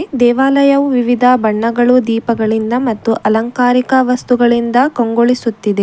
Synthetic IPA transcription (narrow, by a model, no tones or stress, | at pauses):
d̪ɛːʋaːlɐjɐʋuʋiʋid̪ʱɐbɐɳːɐɡɐɭud̪iːpɐɡɐɭind̪ɐmɐt̪ːuʔɐlɐŋkaːɾikɐʋɐst̪uɡɐɭind̪ɐkoŋɡoɭisut̪ːid̪e